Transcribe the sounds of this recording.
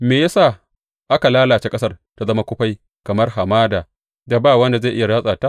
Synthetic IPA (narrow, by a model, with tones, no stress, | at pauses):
meː˨ja˦saː˦˨ | ʔa˦ka˨laː˦laː˨t͡ʃe˦kʼɐ˦sɐ˦rta˨zɐ˦ma˦kʷʊ˦ɸa˦j | kɐ˨mɐ˦rɦa˨maː˦daː˨ | da˨baː˦˨wɐ˦nda˨za˦˨ʔɪ˦ja˨ɽaː˦sʼaː˨taː˦